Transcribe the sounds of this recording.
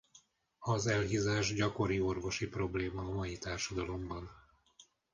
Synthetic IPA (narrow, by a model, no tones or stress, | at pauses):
ɒzɛlɦizaːʒɟɒko̞ɾio̞rvo̞ʃipro̞bleːmɒːmɒjit̪aːrʃɒd̪ɒlo̞mbɒn